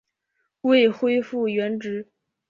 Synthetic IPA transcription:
we˥˩ɪxwe˥ɪfu˥˩ɥɛ˧˥nʈ͡ʂɻ̩˧˥

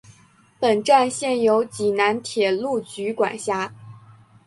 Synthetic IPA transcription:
pə˨˩nʈ͡ʂa˥˧nɕjɛ˥˩njo˧˥ʊt͡ɕi˨˩na˧˥nt̪ʰjɛ˨˩lu˥˩t͡ɕy˧˥kwa̰˨˩nɕja˥

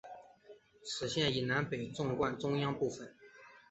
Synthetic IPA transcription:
ʂɻ̩˨˩ɕjɛ˥˩ni˨˩na˧˥npe˨˩ɪʈ͡ʂʊ˥˧ŋkwa˥˧nʈ͡ʂʊ˥ŋjɑ˥ŋpu˥˩fə˨˩n

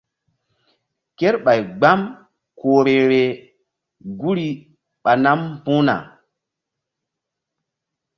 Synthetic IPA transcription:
ke˦ɾɓa˨jɡ͡ba˦m | koː˨ɾe˨ɾe˨ | ɡu˦ɾi˦ | ɓa˨na˦mpũ˦na̰˨

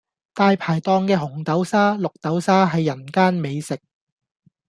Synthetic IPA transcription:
t̪aː˧jpʰaː˨˩jt̪ɔː˧ŋkɛː˧ɦʊ˨˩ŋt̪ɐ˨˥wsaː˥lʊ˨k̚t̪ɐ˨˥wsaː˥ɦɐ˨jːɐ˨˩nkaː˥nme˨˧jsɪ˨k̚

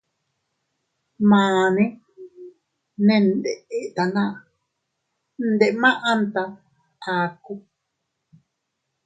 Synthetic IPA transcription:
mãː˨nẽ˦ | nẽ˦˧nd̪e˨e˦ʔt̪a˨nã˦ | n̩˦d̪e˨ʔmã˦ʔa˧nt̪a˧ | a˨ku˦

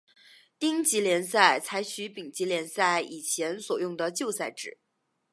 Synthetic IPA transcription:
t̪i˥ŋt͡ɕi˧˥ljɛ˧˥nsa˥˩ɪt͡sʰa˧˥ɪt͡ɕʰy˧˥pi˨˩ŋt͡ɕi˧˥ljɛ˧˥nsa˥˩ɪi˨˩t͡ɕʰjɛ˧˥nswɔ˨˩jʊ˥˩ŋd̪ə˩t͡ɕjo˥˧ʊsa˥˩ɪʈ͡ʂɻ̩˨˩˦

